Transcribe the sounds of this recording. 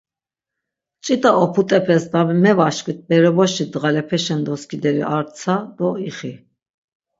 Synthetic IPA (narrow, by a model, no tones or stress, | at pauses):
t͡ʃʼit̪ʼaɔpʰut̪ʼɛpʰɛsd̪amɛvaʃkʼwit̪̚bɛɾɛvɔʃid̪ʁalɛpʰɛʃɛnd̪ɔskʰʼid̪ɛɾḭʔaɾt͡sʰad̪̥ɔiχi